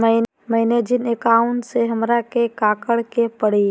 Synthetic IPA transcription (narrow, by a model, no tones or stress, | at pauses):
mə | mɐɦɪned͡ʒɪnekaːʊ̃ɳʈseɦɐmɾakekaːkəɽkepəɽ̤i